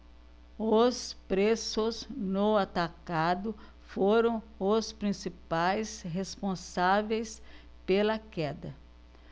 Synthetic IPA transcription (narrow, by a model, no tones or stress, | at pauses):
ʊspɾesʊznoat̪akad̪ʊ | foɾɐ̃w̃ | ʊspɾĩsipajsɦespõsavejs | pelɐkɛd̪ɐ